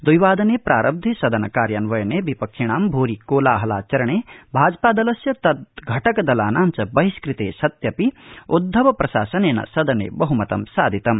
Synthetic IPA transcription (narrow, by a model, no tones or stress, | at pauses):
d̪ujʋaːd̪ɐneːpɾʔaːɾʔɐb̚d̪ʱisɐd̪ɐnɐkaːɾjanʋɐjɐneːbipɐkʃiɳ̃aːmbʱoːɾikːoːlaːɦɐla̰ːt͡ʃɐɾɐɳeːbʱaːd͡ʒpaːd̪ɐlɐsjɐt̪ɐt̪̚ɡʱɐʈɐkɐd̪ɐlaːnaːnt͡ʃɐbɐɦiskɾit̪eːsɐt̪jɐpiud̪ʱːɐʋɐpɾɐʃa̰ːsɐneːnɐ̰sɐd̪ɐnḛːbɐɦumɐt̪ɐ̰msaːd̪ʱit̪ɐm